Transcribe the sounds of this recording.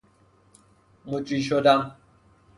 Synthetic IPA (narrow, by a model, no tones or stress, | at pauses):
mut͡ʃʼwiʃodaŋ